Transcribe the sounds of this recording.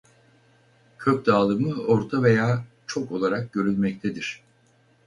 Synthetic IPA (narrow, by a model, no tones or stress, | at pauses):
cʰøc̚d̪aːlˠɯmɯo̞ɾt̪ʰave̞jaː | t͡ʃʰo̞ko̞lˠaɾak̚ɟø̞ɾynʲmɛct̪ʰed̪iɾ̥